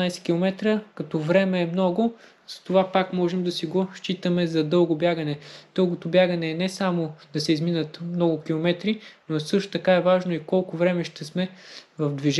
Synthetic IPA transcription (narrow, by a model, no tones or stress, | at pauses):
najsɛ̥kʲilˠomɛt̪ɾəkɐt̪ɔvɾɛmɛːmnɔɡʊ | zɐ̥t̪ovapakmɔʒɛmd̪ɐsiɡoʃt͡ʃit̪əmɛzɐd̪ɤlˠɡobjaɡənɛd̪̥ɤlˠɡot̪obʲjaɡənɛːnɛsamod̪̥ɐsɛizminət̪mnɔɡʊkʲilˠomɛt̪ɾinosɤʃt̪o̥t̪ɐkaɛvaʒnoikɔlˠkʊvɾɛmɛʃt̪ɛsmɛvɐfd̪viʒ